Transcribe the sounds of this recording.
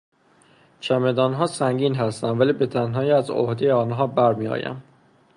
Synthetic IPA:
t͡ʃʰæmed̪ɒːnɦɒːsæŋɟiːnɦæst̪ænd̪væliːbe̞t̪ʰænɦɒːjiːæzo̰hd̪ejeɒːnɦɒːbæɾmiːɒ̰ːjæ̰m

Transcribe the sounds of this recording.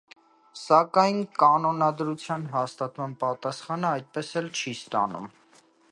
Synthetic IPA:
sɑkɑjnkɑnɔnɑd̪ɾut͡sʰjɑnɦɑst̪ɑt̪mɑnpɑt̪ɑsχɑnəɑjt̪̚pɛsɛlt͡ʃʰist̪ɑ̰nṵm

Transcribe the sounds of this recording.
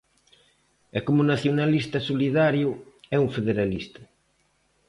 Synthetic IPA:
ɛkomunaθjonalist̪ɐsoliðaɾjʊɛuŋfeðeɾalist̪ɐ

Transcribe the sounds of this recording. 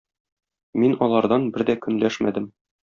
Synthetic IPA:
minɒlˠɑɾd̪ɑnbɘɾd̪ækɵ̆nlæʃmæ̰d̪ɘm

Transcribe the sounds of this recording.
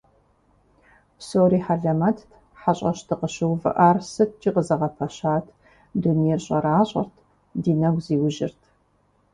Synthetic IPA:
psowɾiːħaɮɐmɐtʰtʰ | ħaɕʼɐɕtʰɨqəɕɪwvɨ̰ʔaːrsɨt̚ʰt͡ʃʼiːqəzɐʁɐpʰɐɕaːtʰ | dunijɛrɕʼɐɾaːɕʼɐ̰rtʰ | diːnɐɡʷziːwʊʒɪ̰rtʰ

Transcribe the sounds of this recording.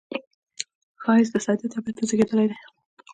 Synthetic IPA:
xɑɪst̪esɑd̪it̪ɑbat̪ːazəɡed̪əlajd̪e

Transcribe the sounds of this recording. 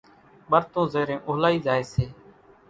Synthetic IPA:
ɓəɾt̪õːzeːɾẽːʔʊːɦlaːiːzaːeːseː

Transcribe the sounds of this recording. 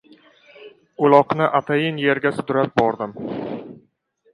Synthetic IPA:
ʊlˠɒqnɪʔat̪ʰajɪnje̞ɾɡʲasʊd̪ʊɾap̚bɒɾd̪ɪm

